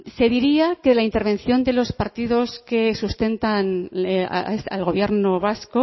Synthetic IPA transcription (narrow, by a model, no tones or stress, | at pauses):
se̞ðiɾiakeðlaint̪e̞ɾβẽ̞nθjo̞nd̪e̞lo̞spaɾt̪iðo̞ske̞sust̪e̞nt̪an̰ | sa̰lɣo̞β̞je̞ɾno̞βasko